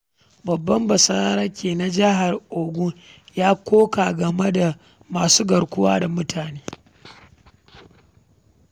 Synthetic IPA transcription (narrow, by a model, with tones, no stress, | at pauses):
bɐ˨bːɐ˦mbɐ˨sɐ˦ɾa˦ɾɐ˦kʲeː˨na˨d͡ʒɪ˦ɦa˨rʔoː˨ɡʷu˦jaː˦kʷoː˦kaː˨ɡɐ˨me˦da˨ | maː˨suː˦ɡɐ˨ɽkʷʊ˦wa̰ː˦da˨mʊ˦tʰaː˨neː˦